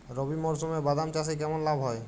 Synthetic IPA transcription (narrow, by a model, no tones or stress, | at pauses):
ɾobimɔɾsomebad̪amt͡ɕas̬ekɛmonlabʱɦɔe